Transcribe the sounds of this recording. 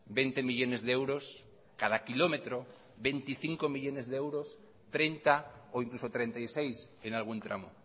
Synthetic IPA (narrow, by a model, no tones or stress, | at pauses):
bent̪emiʎo̞nezðeewɾos | kað̞akilo̞met̪ɾo | be̞nt̪iθiŋkomiʎo̞nezðeewɾo̞s | t̪ɾent̪aoiŋklusot̪ɾe̞nt̪ajsejs | enalɣ̞unt̪ɾa̰mo̰